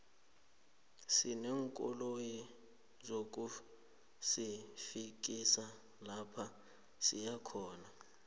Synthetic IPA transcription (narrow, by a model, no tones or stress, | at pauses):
sinɛːŋkʼɔ̰loji | zok̬ʼu | sifik̬isa | lapʰa | sḭjakʰɔːna